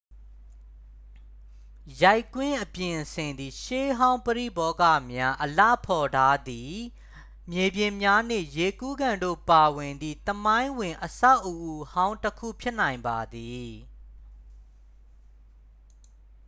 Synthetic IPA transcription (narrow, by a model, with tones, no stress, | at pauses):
ja˦˨ɪkwɪ̃˦ʔəpjɪ̃˨sɪ̃˨nd̪i˨ʃe˦ɦã˦ʊ̃mpəɹḭ˦˨bɔ˦ka̰˦˨mja˦ʔəla̰˦˨pʰɔ˨tʰa˦d̪i˨ | mje˨bjɪ̃˨mja˦nḛ˦˨je˨ku˦ɡã˨ndo̰˦˨pa˨wɪ̃˨nd̪ðḭ˦˨t̪əmã˦ɪ̃wɪ̃˨ʔəsa˦ʊʔəʔu˨hã˦ʊ̃ntəkʰṵ˦˨pʰjɪ˦ʔn̥ã˨ɪ̃mba˨d̪i˨